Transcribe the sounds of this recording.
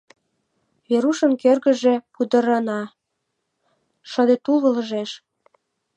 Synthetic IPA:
βeɾuʃə̆nkerɣə̆ʒĕpud̪ə̆ɾɑnɑ | ʃə̆d̪et̪ulβə̆ləʒeʃ

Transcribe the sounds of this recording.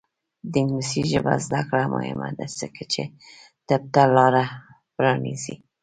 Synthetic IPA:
d̪ɪŋɡnɪsiʒəbazd̪akɽamʔo̰hɪma̰d̪azəket͡ʃe | t̪ab̚t̪alɑɾa | pɾɑnizi

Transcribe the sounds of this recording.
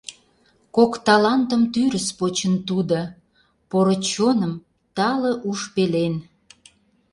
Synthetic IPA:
kokt̪ɑlɑnt̪ə̆mt̪yɾəspot͡ɕənt̪ud̪o | poɾot͡ɕonəm | t̪ɑlə̆ʔuʃpelen

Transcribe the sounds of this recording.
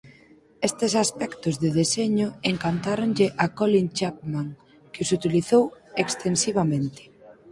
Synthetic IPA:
est̪ɪsaspɛkt̪ʊzðɪðeseɲʊeŋkant̪aɾonʎɪʔakɔlint͡ʃakmaŋ | kɪosut̪iliθowekst̪ensiβ̞amẽnt̪ɪ̥

